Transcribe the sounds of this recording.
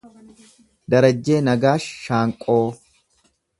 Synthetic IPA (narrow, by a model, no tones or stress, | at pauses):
d̪ɐɾɐd͡ʒːe̞ːnɐɡaːʃːaːŋkʼo̞ː